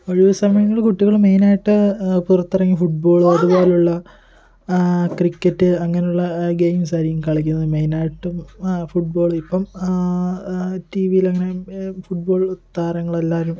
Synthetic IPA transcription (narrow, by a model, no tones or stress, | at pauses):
oɻiʋɐsɐmɐjɐŋːɐɭkuʈːiɣɐɭmejnaːjiʈːɨpurɐt̪ːirɐŋːifuʈ̚bo̞ːɭɐðubo̞ːleuɭːɐ | krikːɐtːɨɐŋːɐnejuɭːɐɡejmsɐɾijɐmkɐɭik̬ʲːunːɐðɨmejnaːjiʈːumfuʈ̚bo̞ːɭipːɐm | tiːʋijilɐŋːɐne̞fuʈ̚bo̞ːɭt̪ːaːɾɐŋːɐɭelːaːɾum